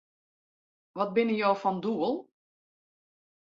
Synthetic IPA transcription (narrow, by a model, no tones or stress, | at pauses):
ʋɔt̚bɪnəjoːfɔnduəlˠ